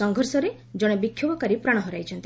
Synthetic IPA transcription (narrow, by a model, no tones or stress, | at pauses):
ɔŋɡʱɔɾsɔɾe | d͡ʒɔɽ̃ɔbikʰjobɔkaɾipɾaɽ̃ɔɦɔɾajt͡ʃʰɔnt̪i